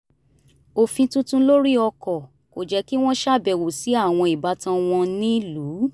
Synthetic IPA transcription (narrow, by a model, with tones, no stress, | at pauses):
o˨fĩ˧tũ˧˦tũ˧lo˦ɾi˦ɔ˧kɔ˨ | ko˨d͡ʒɛ˨˦ki˦w̃ɔ̃˦ʃa˦˨bɛ˨wo˨si˨˦a˦˨w̃ɔ̃˧i˨ba˨˦tã˧w̃ɔ̃˧nĩ˦lu˨˦